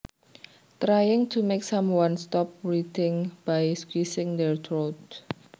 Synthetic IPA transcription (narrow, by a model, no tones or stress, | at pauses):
t̪ɾajɪŋt̪ʰumeksamwanst̪ɔp̚ɹit̪ɪŋb̥ajskwisɪŋd̪ɛɹt̪ɾot̪